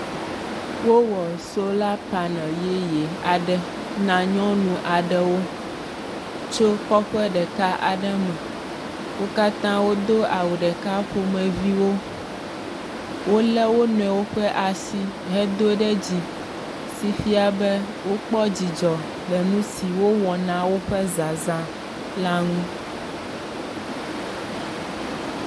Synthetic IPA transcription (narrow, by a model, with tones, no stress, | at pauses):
wo˦wɔ˨so˦la˦pa˨nɛ̃˨je˦je˨a˨ɖɛ˦ | nã˨ɲɔ̃˦nũ˨ʔa˨ɖɛ˦wo˦ | t͡ʃo˦kɔ˦ɸɛ˦ɖɛ˨ka˦ʔa̰˨ɖɛ˦mɛ̃˨ | wo˦ka˦t̪ã˦wo˦d̪o˦ʔa˨wo˨ɖɛ˨ka˦ɸo˦mɛ̃˨vi˦wo˦ | wo˦lɛ˦wo˦nɔ̃˨ɛ˨wo˦ɸɛ˦ʔa˨si˦ | ɦɛ˦d̪o˦ɖɛ˦d͡ʑi˨ | si˨fi˦a˨bɛ˦ | wo˦k͡pɔ˦d͡ʑi˨d͡ʒɔ˨ | ɖɛ˨nũ˦si˨wo˦wɔ˨nã˦wo˦ɸɛ˦za˨zã˨ | la˦ŋũ˦